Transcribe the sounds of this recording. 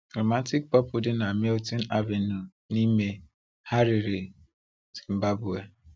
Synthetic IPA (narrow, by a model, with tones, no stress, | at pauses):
kɾo˨ma˦ti˦k̚pɔ˦pʊ˨dɪ˦na˨me˦lti˦na˦ve˨nu˨ | ni˦me˦ | ha˦ɾɪ˨ɾɪ˨ | z̥i̥˨m̩˨ba˦bu˨e˨